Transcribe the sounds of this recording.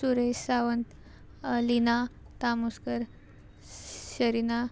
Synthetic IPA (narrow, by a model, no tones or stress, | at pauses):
suɾeɕsaʋənt̪ | lina | t̪amuskəɾ | ɕəɾina